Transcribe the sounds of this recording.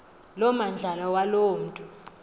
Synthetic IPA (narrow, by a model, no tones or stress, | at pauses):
lɔmand͡ɮʱalawaloːm̩ːtʼu